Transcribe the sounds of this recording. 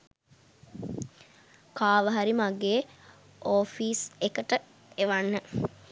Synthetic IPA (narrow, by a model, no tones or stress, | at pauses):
kaːʋəɦaɾimaɡeː | oːfiːsekəʈə | eʋanːə